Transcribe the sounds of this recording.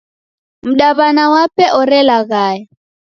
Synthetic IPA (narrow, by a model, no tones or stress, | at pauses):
m̩ɗaβanawapɛʔɔɾɛlaɣaːja